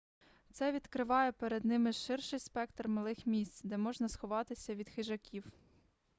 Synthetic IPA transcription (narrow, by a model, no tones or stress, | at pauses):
t̪sɛʋʲid̪kɾɪʋɑjɛpeɾed̪nɪmɪʃɪrʃɪjspɛkt̪rmɐlˠɪxmʲisʲt͡sʲd̪ɛmɔʒnɐsxɔʋɑt̪ɪsʲɐʋʲid̪xɪʒɐkʲiw